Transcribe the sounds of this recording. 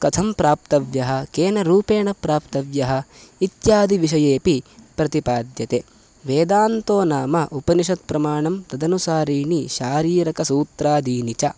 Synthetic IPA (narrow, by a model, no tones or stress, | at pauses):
kɐt̪ʰɐmpɾaːp̚t̪ɐʋjɐɦɐ̆keːnɐɾuːpeːɳɐpɾaːpt̪ɐʋjɐɦɐ̆it̪jaːd̪iʋiʃ̬ɐjeːpipɾɐt̪ipaːd̪jɐt̪e | ʋeːd̪aːnt̪oːnaːmɐʔupɐniʃɐt̪̚pɾɐmaːɳɐmt̪ɐd̪ɐnusaːɾiːniʃaːɾiːɾɐkɐsuːt̪ɾaːd̪iːnit͡ʃɐ